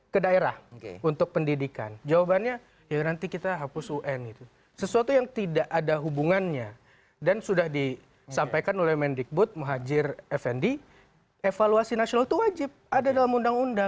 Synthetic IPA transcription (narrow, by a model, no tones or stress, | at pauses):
kədaeɾahunt̪ʊk̚pəndidika̰nd͡ʒawabanɲa | janant̪ikit̪aɦapʊsuʔɛnɡit̪u | səsuat̪ujaŋt̪idaʔadaɦubuŋanɲa | dansudahdi | sampajkanolɛhmɛndɪk̚bʊt̪̚muɦad͡ʒɪrɛfɛndi | efaluasinasionalt̪uwad͡ʒɪp̚adadalamundaŋunda